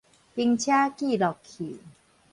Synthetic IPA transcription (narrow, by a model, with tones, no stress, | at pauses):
pi˧ŋt͡ɕʰja˦˥kiː˥˩lɔ˨˩kʰiː˨˩˦